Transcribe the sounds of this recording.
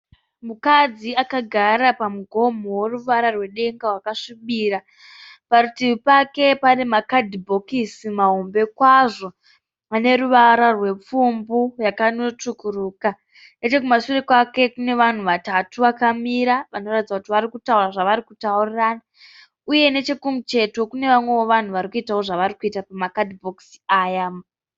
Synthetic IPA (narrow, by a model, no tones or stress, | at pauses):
mukad͡ziakaɡʱarapamuɡʱo̞moworuʋaɾarwe̞ɗe̞ŋɡaɦwakaʂiɓiːɾa | paɾutiʋipake̞panemakadibʱo̞kisimaɦombe̞kwaʐo̞ | ane̞ɾuʋaɾarwe̞p͡fumburakano̞t͡ʂukuruːka | ne̞t͡ʃe̞k̬umasurekwake̞kune̞ʋan̤uʋatatuʋakamiɾaʋano̞ratid͡zakutiʋaɾikutauraʐaʋaɾikutauriraːna | uje̞ne̞t͡ʃe̞kumut͡ʃe̞to̞kune̞ʋamwe̞wo̞ʋan̤uʋaɾikuitawo̞ʐaʋaɾikuitapamakadibʱoksaːjam